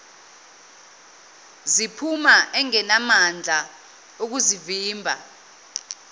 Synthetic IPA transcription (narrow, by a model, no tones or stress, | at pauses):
zipʰumaʔɛŋɛnamand͡ɮʱa | uk̬uziviːmbʱa̰